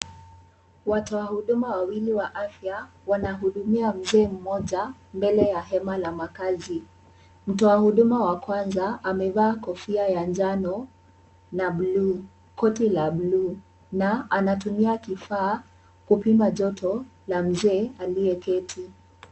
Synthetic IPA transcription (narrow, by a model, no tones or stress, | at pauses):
watɔwahuɗumawawiliwaʔafja | wanaɦuɗumiam̩zɛːm̩mɔʄambɛlɛjaɦɛmalamakazi | m̩tɔahuɗumawakwanzaamɛvaːkɔfiajand͡ʒanɔ | naɓluː | kʰɔtilaɓluː | naanatumiakifaː | kupimaʄɔtʰɔlam̩zɛːaliɛkɛtʰi